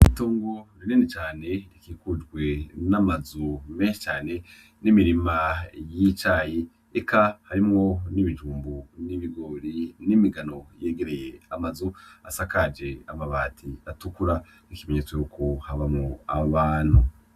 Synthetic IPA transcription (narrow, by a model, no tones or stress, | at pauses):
iitoːŋɡoɾininet͡ʃaːne̞ɾikiːkud͡ʒɡwenamazumeʃet͡ʃaːne̞ | nimiɾimajit͡ʃaːji | ekahaɾimŋo̞niβid͡ʒuːmbuniβiɡo̞ːɾinimiɡano̞jeɡeɾe̞jeamazua̰sakad͡ʒe̞amaβaːtʰiatukuɾa | nikime̞ɲet͡swejukʰohaβamŋoaβaːn̥hu